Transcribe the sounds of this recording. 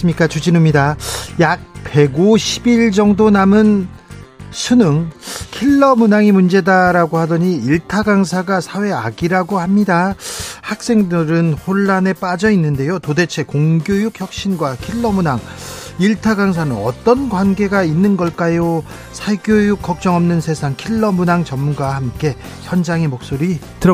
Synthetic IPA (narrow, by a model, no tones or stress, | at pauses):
sɯmɲik͈at͡ɕud͡ʑinɯmɲidajak̚pe̞ɡuɕʰi̥biɭd͡ʑʌŋdonamɯn | sʰunɯŋkʰiɭːʌmunaŋimund͡ʑe̞daɾaɡohadʌɲiiɭtʰaɡaŋsʰaɡasʰawe̞a̰ɡiɾaɡohamɲidahak̚s͈e̞ŋdɯɾɯnhoɭːane̞p͈ad͡ʑʌinːɯnde̞jotode̞t͡ɕʰe̞koŋɡjojukçjʌk̚ɕ͈inɡwakʰiɭːʌmunaŋ | iɭtʰaɡaŋs̬ʰanɯnʌ̰t͈ʌnɡwanɡe̞ɡainːɯnɡʌɭk͈ajo | sʰaɡjojuk͈ːʌk̚t͡ɕ͈ʌŋʌmnɯnsʰe̞sʰaŋkʰiɭːʌmunaŋt͡ɕʌmmunɡwahamk͈e̞ | sʰʌnd͡ʑaŋimok̚s͈oɾi | tɯɾ